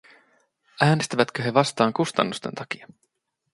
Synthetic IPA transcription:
æːnest̪æʋæt̪køɦe̞ʋɑst̪ɑːŋkust̪ɑ̰nːust̪e̞nt̪ɑk̟iɑ

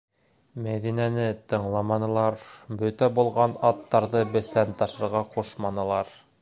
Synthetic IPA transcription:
mæðinænɘt̪ɤ̆ɴlˠɑmɑnɤ̆lˠɑɾbɵt̪æbulˠʁɑnɑt̪ːɑɾðɤbɘ̆sænt̪ɑʃɤ̆ɾʁɑquʃmɑnɤ̆lˠɑɾ

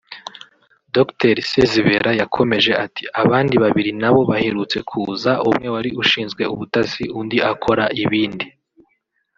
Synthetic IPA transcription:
dokteɾseziβe̞ɾajakʰo̞me̞ʒe̞ʔati̥ʔaβaːndiβaβiɾinaβo̞βaheɾut͡se̞kʰuːzaumŋe̞waɾiuʃiːnzɡwe̞uβutasiundiʔakʰo̞ɾaʔiβiːndi

